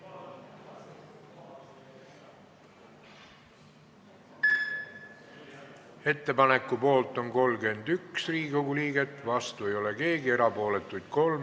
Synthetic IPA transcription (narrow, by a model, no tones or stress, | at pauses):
e̞t̪ːe̞pɑne̞kːˑupo̞ːlt̪ˑo̞ŋko̞lɡe̞nd̪̥yksriːɡoɡuliːɡe̞t̪ːˑvɑst̪ue̞jo̞le̞ke̞ːɡie̞ɾɑpo̞ːle̞t̪ːˑujd̪̥̚ko̞lm